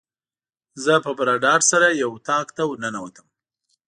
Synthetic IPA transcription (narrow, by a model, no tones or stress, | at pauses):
zəpəbaɾɑɖɑɖsaɾajawt̪ɑkt̪awnənawət̪ʰəm